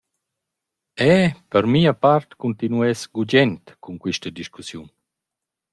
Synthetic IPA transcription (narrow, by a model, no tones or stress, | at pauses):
ɛpəɾmiːapaɾt̪kunt̪inuɛsɡud͡ʒɛnt̪kuŋkwiʃtəd̪iʃkusjun